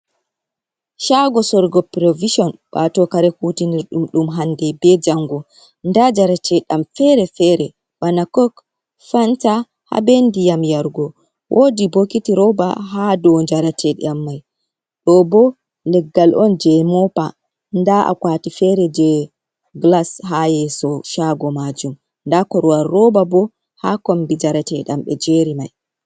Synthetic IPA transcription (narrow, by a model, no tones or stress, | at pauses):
ʃaɡɔsɔɾɡɔpɾoviʃɔnpa̰tɔkaɾɛkutiniɾɗumɗumɦandɛbɛd͡ʒaŋɡɔ | ndad͡ʒaɾatɛɗamfɛɾɛfɛɾɛ | banakɔk | fanta | ha̰bendijamjaɾɡɔ | wʔodibokːitiɾɔba̰ɦadɔnd͡ʒaɾatʰɛɗḭamːaj | ɗɔbɔ | lɛɡːalʔɔnd͡ʒɛmɔpa | ndaʔa̰kwaːtifɛɾɛd͡ʒɛ | ɡlasɦajɛsɔʃaɡɔmad͡ʒum | ndakɔɾwaɾːɔbabɔ | hakɔmbid͡ʒaɾatɛɗa̰mɓɛd͡ʒeɾima̰j